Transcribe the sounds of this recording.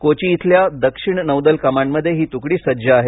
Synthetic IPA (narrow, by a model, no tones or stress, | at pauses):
kot͡ɕiːt̪ʰljad̪əkʂiɳnəwd̪əlkəmaɳməd̪ʱːjeɦiːt̪ukɽiːsəd͡ʑaːɦe